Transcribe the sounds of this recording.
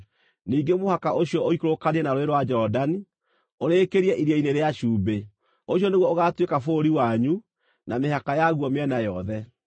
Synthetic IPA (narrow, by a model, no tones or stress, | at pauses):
niːɡemohakaʔoɕiɔoikoɾokaniɛnaɾoeɾwad͡ʒɔdani | oɾeːkeɾiɛʔiɾiɛineɾeaʃuːbe | oɕjɔneɣwɔoɣaːtwekafoɾiwaɲu | namehakajaɣuɔmeɛnajɔðɛ